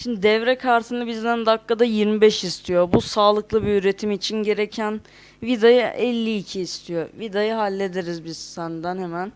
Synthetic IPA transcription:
ʃimd̪id̪ɛvɾɛkʰaɾt̪ʰɯnabizd̪ænd̪akːad̪ajiɾmibɛʃist̪ʰijobusaːlˠɯklˠɯbiyɾe̞t̪ʰimit͡ʃʰinɟe̞ɾecʰæn | vid̪ajɯʔɛlʲːiːcʰiːst̪ʰijovid̪ajɯɦalʲːe̞d̪eɾizbiz̥sænd̪ænhemæn

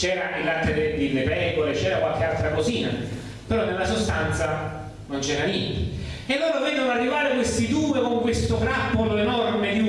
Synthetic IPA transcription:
t͡ʃɛːɾailːat̪ːed̪ed̪ilːepɛːkoɾet͡ʃɛːɾakwalk̟ealt̪ɾakoziːna | peɾɔnːelːasost̪ant̪sa | nont͡ʃɛːɾanjɛnt̪e | elːoːɾavɛd̪onoarːivaːɾekwest̪id̪uːekoŋkwest̪ot̪ɾapːoloenɔrmed̪u

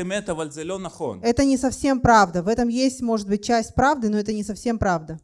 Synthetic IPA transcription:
ɪmɛt̪ɐvalʲzɛlonɐχo̰nɛt̪ənʲɪsɐfsʲe̞mpɾavd̪əvɛt̪əmjesʲtʲmo̞ʐɨd̪̚bɨt̚ʲt͡ɕæsʲtʲpɾavd̪ɨnoɛt̪ənʲɪsɐfsʲe̞mpɾavd̪ə

